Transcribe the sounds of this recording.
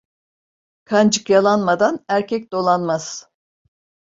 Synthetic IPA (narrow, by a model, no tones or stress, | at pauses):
kʰand͡ʒɯkjalˠanmad̪anæɾcʰɛc̚d̪o̞lˠanmaz̥